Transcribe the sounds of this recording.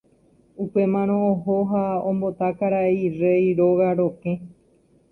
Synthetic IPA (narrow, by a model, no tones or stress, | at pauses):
upe̞mãɾ̃õːɦoɦaõmbo̞t̪akaɾaeirejɾo̞ɣaɾo̞kẽ̞